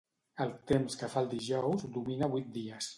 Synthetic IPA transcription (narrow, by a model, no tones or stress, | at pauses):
əlˠt̪emskəfalˠd̪iʒɔwzd̪uminaβujt̪̚d̪iəs